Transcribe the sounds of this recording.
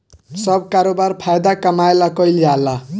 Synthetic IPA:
sʌb̚kaɾobaɾpʰajd̪akamaelakʌjljalːa

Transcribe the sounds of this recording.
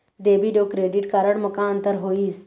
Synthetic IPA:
ɖeːbiɖoːkɾeːɖɪʈkaɾəɽmɐkaːnt̪əɾɦoːiːs

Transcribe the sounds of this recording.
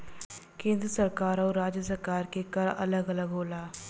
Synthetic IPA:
kẽːnd̪ɾəsəɾkaːɾɔːɾːaːd͡ʒjəsəɾkaːɾkekəɾɐ̰ləɡələɡɦoːlaː

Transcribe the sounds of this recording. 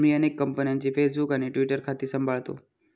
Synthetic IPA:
miənekːəmpənijãnt͡ɕifʰesbukaneʈʋiʈəɾkʰat̪esəmbʱaɭt̪o̰

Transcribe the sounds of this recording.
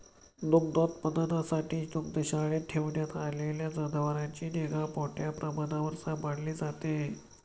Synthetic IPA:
d̪uk̚d̪ot̪pənd̪ənasaʈiːd̪ukd̪əɕaɭeʈ̪ʰeʋɳjat̪aleljad͡zəd̪ʱəʋəɾat͡ɕiːneɡapoʈjapɾʔəmanaʋəɾsabaɽliːd͡zat̪e

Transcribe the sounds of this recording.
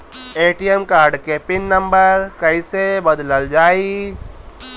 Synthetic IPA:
eːʈijemkaːɾɖkepɪnːə̃mbəɾkɐisebəd̪ləld͡ʒaːi

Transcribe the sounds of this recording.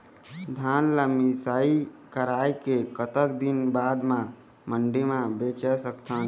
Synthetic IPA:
d̪ʱanləmisaikəɾajkekət̪əkd̪inbad̪mã | məɳɖimãbet͡ʃɛsəkt̪ʰən

